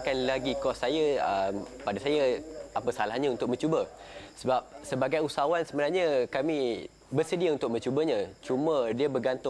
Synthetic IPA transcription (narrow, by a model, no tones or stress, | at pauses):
kanlaɡikɔsːajəəmpadasajaapəsalahɲãunt̪ʊk̚mə̃ɲt͡ʃubə | səbap̚səbaɡajusawansəbənarɲəkamĩ | bərsədiaunt̪ʊk̚mə̃ɲt͡ʃubəɲãt͡ʃumə̃diəbərɡant̪ʊ